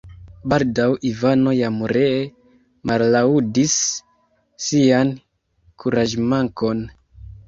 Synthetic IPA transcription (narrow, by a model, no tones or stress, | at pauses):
baldawʔivano̞jamuɾee | mallaudisː | ian | kʰuɾaʒmaŋko̞n